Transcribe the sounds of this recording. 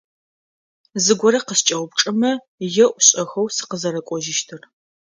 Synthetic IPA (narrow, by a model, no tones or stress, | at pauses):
zɨɡʷɔɾɐqəst͡ʃʼɐwʷʊp̚ʈ͡ʂʼɨmɐ | jɛʔʷɕʼɐxɐwsɨ̥qəzɐɾɐkʷʼɔʒɪʃtʰɨr